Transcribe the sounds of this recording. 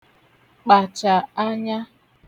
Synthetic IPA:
k͡pa˨t͡ʃa˨a˦ɲa˦

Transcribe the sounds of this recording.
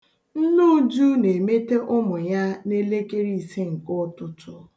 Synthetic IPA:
n̩˦nu˦d͡ʒu˦ne˨me˦te˦ʔʊ˦mʊ˨ja˦ne˦le˦ke˦ɾi˦˨i˨se˦ŋ̩˨kʊ˦ɔ˦tʊ˦tʊ˦

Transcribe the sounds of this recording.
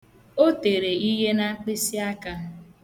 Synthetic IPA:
o˦te˨ɾe˨i˦ɦe˦na˦k͡pɪ˦si˦a˦ka˦

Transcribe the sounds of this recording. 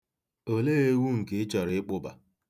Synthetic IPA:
o˨le˦e˦wʷu˦ŋ̩˨ke˨˦t͡ʃɔ˨ɾɪ˦ɪ˦k͡pʊ˦ba̰˨

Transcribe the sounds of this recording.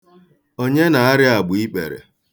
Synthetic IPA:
o˦ɲe˦na˨a˦ɾɪ˦a˨ɡ͡bʊ˨i˦k͡pḛ˨ɾḛ˨

